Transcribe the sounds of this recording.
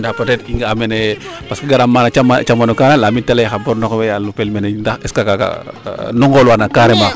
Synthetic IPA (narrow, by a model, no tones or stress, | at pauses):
ndapatɛtiŋɡamɛnɛpaskeɡaɾamːanaamat͡ʃamːanukanalamitalajxabɔɾnɔkwɛjalupɛlmɛnɛndaxɛskakaka̰nɔŋɡɔlwanakaɾɛma